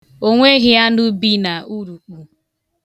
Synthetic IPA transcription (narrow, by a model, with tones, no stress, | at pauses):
o˦ŋʷe˦ɣɪ˦ja˦nu˦bi˦na˨u˦ɾu˨k͡pu˨